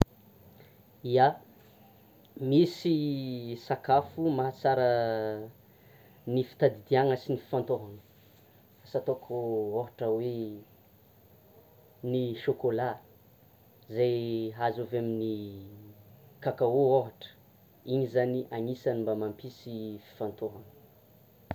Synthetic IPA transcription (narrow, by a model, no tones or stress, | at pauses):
ia | misisakafumaɦat͡saɾə | nifi̥t̪ad̪id̪iaŋəsinifi̥fant̪oɦanə̥ | asat̪okʰooɦaʈ͡ʂəwe | niʃokola | zajɦazovamini | kakaooɦaʈ͡ʂə̥ | iɲizaniʔanisanimbamampisifi̥fant̪oɦanə̥